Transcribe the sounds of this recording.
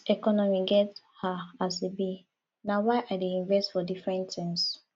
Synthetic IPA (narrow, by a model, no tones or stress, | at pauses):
ɛkɔnɔmiɡɛt | haasebi | nawaɪʔaɪdeĩɱvɛstfɔdifɹɛ̃ntĩŋs